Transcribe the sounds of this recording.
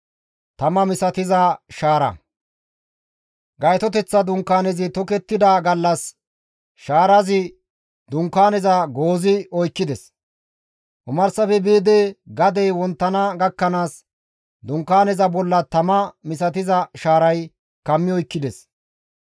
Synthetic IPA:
t̪ɐmɐmɪsɐt̪ɪzɐʃaːɾɐ̰ | ɡɐjt̪ɔt̪ɛt͡sːɐd̪ʊŋkːaːnɛzɪt̪ɔkɛt̪ːɪd̪ɐɡɐlːɐs | ʃaːɾɐzɪ | d̪ʊŋkːaːnɛzɐɡoːzɪɔjkːɪd̪ɛs | ʔʊmɐɾsɐfɛbiːd̪ɛɡɐd̪ɛjwɔnt̪ːɐnɐɡɐkːɐnaːs | d̪ʊŋkːaːnɛzɐbɔlːɐt̪ɐmɐmɪsɐt̪̬ɪzɐʃaːɾɐj | kɐmːɪɔjkːɪd̪ɛs

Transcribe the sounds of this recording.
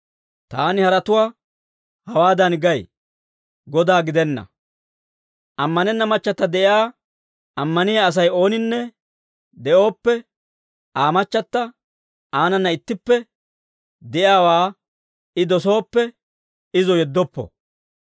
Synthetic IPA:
t̪aːnɪhɐɾɐt̪ʊwaː | hɐwaːd̪ɐnɡɐj | ɡɔd̪aːɡɪd̪ɛnːɐ̰ | ʔɐmːɐnɛnːɐmɐt͡ʃːɐt̪ːɐd̪ɛʔɪaː | ɐmːɐnɪjaːs̬ɐjo̞ːnɪnːɛ | d̪ɛʔo̞ːpːɛ | ʔaːmɐt͡ʃːɐt̪ːɐ | ʔaːnɐnːɐɪt̪ːɪpːɛ | d̪ɛʔjaːwaː | ɪd̪ɔso̞ːpːɛ | ɪzɔjɛd̪ːɔpːɔ̰

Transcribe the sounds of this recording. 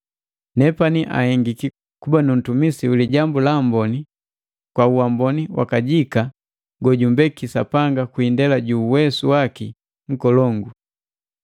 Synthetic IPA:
nɛpaniʔa̰hɛŋɡiki | kubanum̩tumisiuliɟambulambɔni | kwauwambɔniwa̰kaɟika | ɡɔɟumbɛkisapaŋɡakuindɛlaɟuːwɛsuwaki | ŋ̩kɔlɔŋɡu

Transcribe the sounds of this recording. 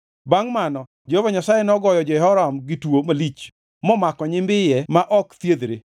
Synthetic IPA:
baŋmanɔ | d͡ʒehovaɲasajɛnɔɡɔjɔd͡ʒɔɛɦɔɾamɡɪtwomalit͡ʃ | mɔmakɔɲɪmbɪjɛmaʔɔkt̪jed̪ɾe

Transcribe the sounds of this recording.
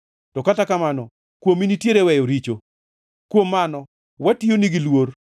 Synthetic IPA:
tɔkatakamanɔ | kwominitjeɾewɛjoɾit͡ʃo | kwomːanɔ | watijoniɡilwor

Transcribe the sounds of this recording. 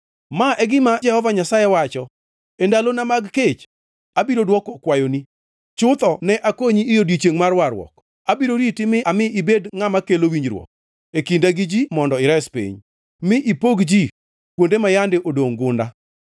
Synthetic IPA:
maʔɛɡɪmad͡ʒɛhɔvaɲasajɛwat͡ʃɔ | endalonamaɡket͡ʃ | abiɾodwɔkɔkwajoni | t͡ʃʊt̪ɔnɛʔakoɲiːjodit͡ʃeŋmarwaɾwɔ̰k | abiɾoɾitɪmɪʔamɪibedŋamakelowiɲd͡ʒɾwɔ̰k̚ | ekindaɡɪd͡ʒimɔndɔɪɾɛspḭɲ | mɪʔipoɡd͡ʒi | kwondemajandɪʔodoŋɡʊnda̰

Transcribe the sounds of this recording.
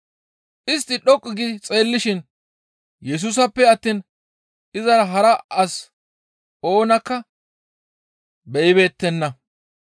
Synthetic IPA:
ʔɪs̬t̪ːɪɗɔkʼːɪɡɪt͡sʼe̞ːlːɪʃɪn | jɛs̬ʊs̬ɐpːɛɐt̪ːiːn | ʔɪzɐɾɐɦɐɾɐʔɐs | o̞ːnɐkːɐ | bɛʔɪbe̞ːt̪ːɛnːɐ

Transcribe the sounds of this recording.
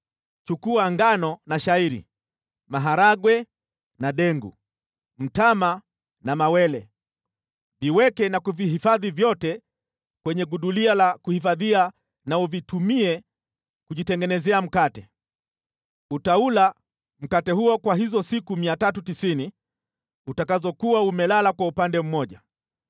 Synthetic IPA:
t͡ʃukuaŋɡanɔnaʃaiɾḭ | maɦaɾaɡwɛ | naɗɛŋɡṵ | m̩tama | namawɛlɛ | viwɛkɛnakuviɦifaðivjɔtɛ | kwɛɲɛɡuɗulialakuhifaðia | nauvitumiɛ | kuʄitɛŋɡɛnɛzɛam̩katɛ | utaula | m̩katɛhuɔkwaɦizɔsikumiatatutisini | utakazɔkuwaumɛlalakwaupandɛm̩mɔʄa

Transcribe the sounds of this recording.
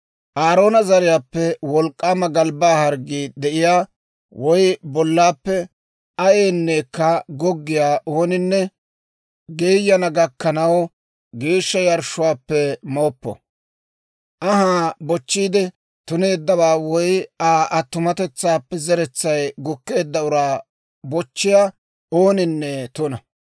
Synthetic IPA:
ʔaːɾo̞ːnɐzɐɾɪjaːpːɛwɔlkʼːaːmɐɡɐlbaːhɐɾɡiːd̪ɛʔɪjaː | wɔjbɔlːaːpːɛ | ɐjeːnːe̞ːkːɐɡɔɡːɪjaːʔoːnɪnːɛ | ɡeːjːɐnɐɡɐkːɐnɐw | ɡeːʃːɐjɐɾʃʊwaːpːɛmoːpːɔ̰ | ʔɐɦaːbɔt͡ʃːiːd̪ɛ | t̪ʊne̞ːd̪ːɐbaːwɔjaːʔɐt̪ːʊmɐt̪ɛt͡sːaːpːɛzɛɾɛt͡sːɐjɡʊkːe̞ːd̪ːɐʊɾaː | bɔt͡ʃːɪjaː | oːnɪnːɛt̪ʊnɐ

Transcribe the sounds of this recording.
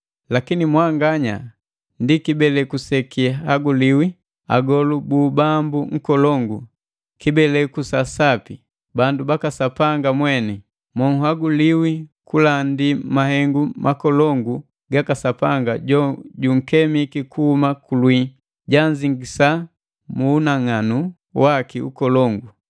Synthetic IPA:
lakinimwaŋɡaɲa̰ | ndikibɛlɛkusɛkihaɡuliwi | a̰ɡɔlubuːbambuŋ̩kɔlɔŋɡu | kibɛlɛkusasapi | bandubakasapaŋɡamwɛnɛ | mɔŋhaɡuliwikulandimaɦɛŋɡumʔakɔlɔŋɡu | ɡakasapaŋɡaɟɔɟuŋ̩kɛmikikuhumakulwi | ɟaɲd͡ʒiŋɡisa | muːnaŋanu | wakiṵkɔlɔŋɡu

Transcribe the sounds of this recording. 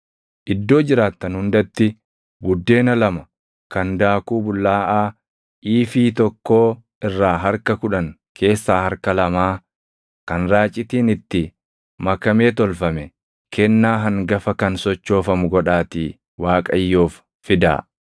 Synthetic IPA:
ʔɪd̪ːo̞ːd͡ʒɪɾaːt̪ːɐnhʊnd̪ɐt̪ːɪ | bʊd̪ːe̞ːnɐlɐmɐ | kɐnd̪aːkuːbʊlːaːʔaː | ʔiːfiːt̪ɔkːo̞ː | ɪrːaːɦɐɾkɐkʊᶑɐŋ | kʰe̞ːsːaːhɐɾkɐlɐmaː | kɐnɾaːt͡ʃʼːɪt̪iːnɪt̪ːɪ | mɐkɐmeːt̪ɔlfɐmɛ | kʰɛnːaːɦɐŋɡɐfɐkɐnsɔt͡ʃːo̞ːfɐmʊɡɔᶑaːt̪iː | waːkʼɐjːoːfː | ɪd̪a̰ː

